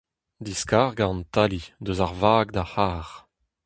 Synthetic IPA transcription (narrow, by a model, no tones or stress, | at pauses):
d̪iskaːʁɡãnt̪alid̪øzaʁvaːɡd̪ahaːʁ